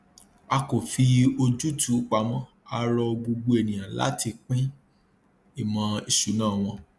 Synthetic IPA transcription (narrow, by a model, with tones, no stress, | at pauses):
a˧ko˨fi˧o˧d͡ʒu˦tu˨˦k͡pa˧mɔ̃˦ | a˧ɾɔ˧ɡ͡bo˧ɡ͡bo˧e˨nĩ˨j̃ã˨la̰˨˦ti˧k͡pĩ˦ | i˦˨mɔ̃˨˧i˨ʃu˨˦nãː˦˨w̃ɔ̃˧